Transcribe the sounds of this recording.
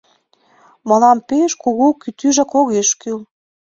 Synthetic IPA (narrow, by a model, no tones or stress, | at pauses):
mɤ̆lɑmpeʃkoɣokyt̪yʒɑkoɣeʃkyl